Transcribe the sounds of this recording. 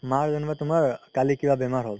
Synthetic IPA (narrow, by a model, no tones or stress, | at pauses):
maɾd͡ʒənbat̪umaɾkalikiʋabemaɾɦɔ